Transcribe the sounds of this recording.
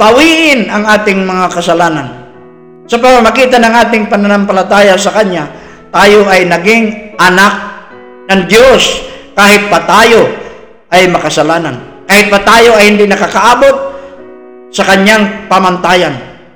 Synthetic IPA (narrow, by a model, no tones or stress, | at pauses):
pɐwiːʔɪnɐŋʔaːt̪ɪŋmɐŋakɐsɐlaːnan | sɐpɐmɐmɐɡiːt̪̬ɐnɐŋʔaːt̪ɪŋpɐnɐnɐmpɐlɐt̪aːjasɐkɐɲːa | t̪aːjo̞ʔɐjnɐɡɪŋʔɐnak̚ | nɐŋd̪joskaːhɪt̪̚pɐt̪aːjo̞ | ʔɐjmɐkɐsɐlaːnankaːhɪt̪̚pɐt̪aːjo̞ɐjhɪnd̪inɐkakɐʔaːbo̞t̪̚ | sɐkɐɲaŋpamɐnt̪aːjɐn